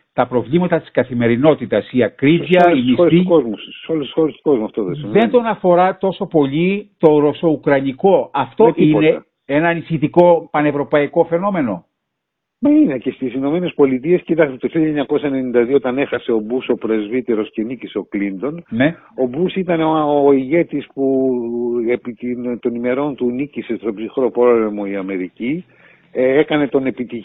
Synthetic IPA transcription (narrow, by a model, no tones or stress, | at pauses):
t̪ɐpɾo̞vlimɐt̪ɐt̪i̥skɐθime̞ɾino̞t̪it̪ɐsiɐkɾivjɐimisoɾeskozmusi̥solest̪isxoɾest̪u̥ko̞zmuɐft̪oðesðe̞nt̪o̞nɐfo̞ɾɐt̪o̞so̞po̞ʎit̪o̞ɾo̞so̞ukɾɐniko̞ɐft̪o̞ʔine̞ | enɐnisçit̪iko̞pɐne̞vɾo̞pɐiko̞fe̞no̞me̞no̞ | meine̞ce̞st̪isino̞me̞ne̞spo̞lit̪̬ie̞scit̪ɐkst̪et̪oçilɐeɲɐkosɐene̞nind̪ɐðioot̪ɐne̞xɐse̞o̞buso̞pɾe̞zvit̪e̞ɾo̞sce̞nicise̞o̞klind̪o̞nne | o̞busit̪ɐneooːiʝe̞t̪ispu | epit̪int̪o̞nime̞ɾo̞nt̪unicise̞t̪o̞bsixɾo̞pole̞mo̞iɐme̞ɾici | ekɐne̞t̪o̞ne̞pit̪i